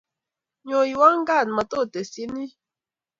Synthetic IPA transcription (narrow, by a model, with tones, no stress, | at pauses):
ɲo˨i˨wa˦ŋ̩˦ɡa˦˨n˨ma˨to˦˨te˨si˦ni˦